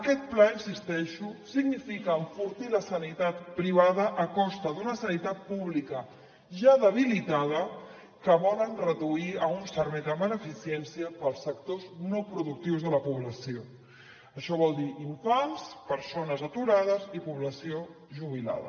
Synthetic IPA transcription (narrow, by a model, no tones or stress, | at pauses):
əkɛt̪̚plainsist̪ɛʃusiɡnifikəːɱfuɾt̪iləsənit̪at̪pɾiβ̞aðəʔːkɔst̪əðunəsənit̪at̪̚puβlikə | ʒaðəβ̞ilit̪aðə | kəβɔlənrəðuiəunsəɾβɛjðəβənəfisiɛnsiəpəlˠsək̚t̪oznopɾuðuk̚t̪iwzðələpuβləsio | əʃɔβɔlˠd̪iiɱfanspəɾsonəzət̪uɾaðəzipuβləsio | ʒuβ̞ila̰ðə̰